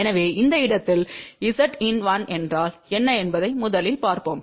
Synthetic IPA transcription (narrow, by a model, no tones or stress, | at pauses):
ɛnɐʋeːɪnd̪ɐɪɽɐt̪ːɪlɪsɐʈɪnʋaːnɛndraːlɛnːɐɛnbɐðɐɪmʊðɐlɪlpaːɾpoːm